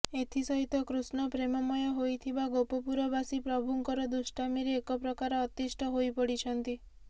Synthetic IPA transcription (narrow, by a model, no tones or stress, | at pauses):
et̪ʰisɔɦit̪ɔkɾusnɔpɾemɔmɔjɔɦojt̪ʰibaɡowpɔpuɾɔbasipɾɔbʱuŋkɔɾɔd̪usʈamiɾeːkɔpɾɔkaɾɔːt̪isʈʰɔɦojpɔɽit͡ʃʰɔnt̪i